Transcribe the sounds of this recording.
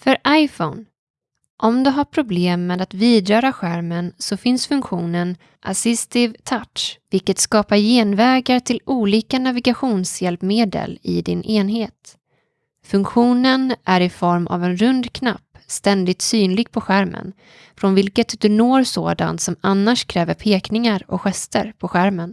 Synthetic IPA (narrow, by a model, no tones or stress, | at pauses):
fœɾʔajfɔʊn | ʔɔmd̪ɵɦaɾpʰɾʊbleːmːeːd̪at̪viːd̪ɾœːɾaɧæɾmənsɔfɪnsfɵŋkɧuːnən | ʔa̰sɪst̪ɪvt̪ʰatʂvɪlkət̪skɑːpaɾjeːnvɛːɡaɾt̪ʰɪluːliːkanavɪɡaɧuːnsjɛlpmeːd̪ə̰lɪ̰d̪ɪ̰nʔeːnɦeːt̪ | fɵŋkɧuːnənʔæɾɪfɔɾmʔa̰vɛnɾɵnd̪kʰnapːst̪ɛnd̪ɪt̪syːnlɪɡ̚pʰɔɧæɾmə̰n | fɾɔnvɪlkət̪d̪ɵnoːɾso̰ːd̪a̰nt̪sɔmanːaʂkʰɾɛːvəɾpʰeːknɪŋaɾɔ̰kɧɛst̪ə̰ɾpʰɔɧæɾmən